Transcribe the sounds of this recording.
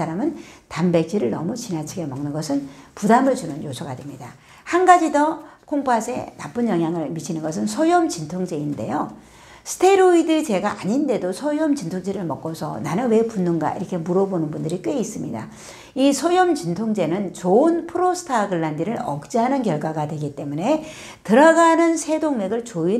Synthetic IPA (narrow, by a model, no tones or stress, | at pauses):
aɾamɯntambe̞k̚t͡ɕ͈ʰiɾɯɭnʌmut͡ɕinat͡ɕʰiɡe̞mʌŋnɯnɡʌsʰɯnpudamɯɭt͡ɕunɯnjosʰʌɡadwemɲida | hanɡad͡ʑidʌkʰoŋpʰasʰe̞̰nap͈ɯnjʌŋɦjaŋɯɭmit͡ɕʰinɯnɡʌs̬ʰɯnsʰʌjʌmt͡ɕintʰoŋd͡ʑe̞inde̞̰jo | sʰɯ̥tʰe̞ɾoidɯt͡ɕe̞ɡaʔaɲinde̞dosʰʌjʌmt͡ɕintʰoŋd͡ʑeɾɯɭmʌk͈ʌsʰʌ̰nanɯnwe̞punːɯnɡa̰ḭɾʌkʰe̞muɾʌbonɯnbundɯɾik͈ɯeis͈ɯmɲida̰ | isʰʌjʌmt͡ɕintʰoŋd͡ʑe̞nɯnt͡ɕoɯnpʰɯɾosʰɯ̥tʰaɡɯɭːandiɾɯɾʌk̚t͡ɕ͈iɦanɯnkjʌɭɡwaɡadwe̞ɡit͈e̞mune̞ | tɯɾʌɡanɯnsʰe̞doŋme̞ɡɯɭt͡ɕoi